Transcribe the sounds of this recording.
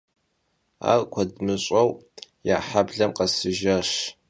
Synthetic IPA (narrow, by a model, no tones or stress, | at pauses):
a̰ːrkʷʰɐdmɨɕʼɐwjaːħabɮɐmqʼɐsɨʒɐɕ